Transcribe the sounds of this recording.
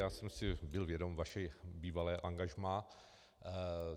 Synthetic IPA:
jaːsɛmsɪbɪlvjɛdomvaʃɛbiːvalɛːʔaŋɡaʒmaː

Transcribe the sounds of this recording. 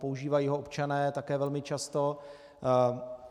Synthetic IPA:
po̞uʒiːvajiːɦoopt͡ʃanɛːt̪akɛːvɛlmɪt͡ʃast̪o̞

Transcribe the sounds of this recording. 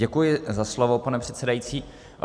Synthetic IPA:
ɛkujɪzaslovo̞panɛpr̝̥ɛt̪sɛdajit͡siː

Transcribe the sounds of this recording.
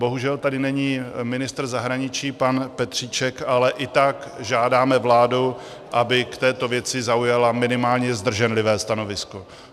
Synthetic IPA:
bo̞ɦuʒɛlt̪adɪnɛɲiːmɪnɪst̪r̩zaɦɾaɲɪt͡ʃiːpanpɛt̪r̝̥iːt͡ʃɛkalɛʔɪt̪akʒaːdaːmɛvlaːdu | ʔabɪkt̪ɛːt̪ovjɛt͡sɪzaujalamɪnɪmaːlɲɛzd̪r̩ʒɛnlɪvɛːst̪ano̞vɪsko̞

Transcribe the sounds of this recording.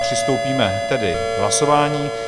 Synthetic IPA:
pr̝̥ɪst̪owpiːmɛt̪ɛdɪ | ɦla̰so̞vaːɲiː

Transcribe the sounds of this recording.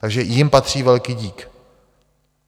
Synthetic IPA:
t̪aɡʒɛjɪmpat̪r̝̥iːvɛlkiːɟiːk

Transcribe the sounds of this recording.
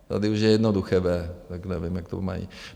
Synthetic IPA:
t̪a̰dɪuʃjɛjɛdnoduxɛvɛːt̪aknɛvɪmjakt̪o̰ma̰jḭ

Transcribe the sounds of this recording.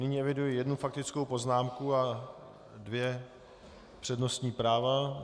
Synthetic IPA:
nɪɲiːɛvɪdujɪjɛdnufak̚t̪ɪt͡skowpo̞znaːmkua | dvjɛ | pr̥ɛdno̞st̪ɲiːpɾaːva

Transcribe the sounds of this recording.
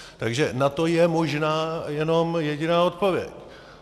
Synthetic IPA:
t̪aɡʒɛnat̪o̞jɛmo̞ʒnaːjɛno̞mjɛɟɪnaːo̞t̪po̞vjɛ̰c

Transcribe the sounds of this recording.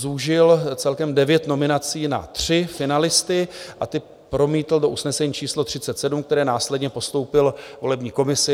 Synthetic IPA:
zuʒɪlt͡sɛlkɛmdɛvjɛt̪no̞mɪnat͡siːna̰t̪r̝̥ɪfɪnalɪst̪ɪʔat̪ɪ | pɾo̞miːt̪l̩do̞ʔusnɛsɛɲiːt͡ʃiːslot̪r̥ɪtt͡sɛt̪sɛdumkt̪ɛɾɛːnaːslɛdɲɛpo̞st̪o̞wpɪlvo̞lɛbɲiːko̞mɪsɪ

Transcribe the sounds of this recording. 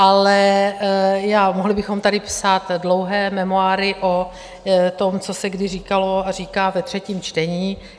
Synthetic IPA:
ʔalɛ | jaːmoɦlɪbɪxo̞mt̪adɪpsaːt̪dlo̞wɦɛːmɛmoaːɾɪʔo | t̪o̞mt͡so̞sɛɡdɪriːkalo̞ariːkaːvɛt̪r̝̥ɛciːmt͡ʃt̪ɛɲiː

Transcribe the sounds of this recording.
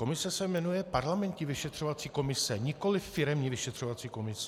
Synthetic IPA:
ko̞mɪsɛsɛmɛnujɛpaɾlamɛnt̪ɲɪvɪʃɛt̪r̥ovat̪t͡siːko̞mɪsɛɲɪko̞lɪfːɪɾɛmɲivɪʃɛt̪r̝̥ovat͡siːko̞mɪs

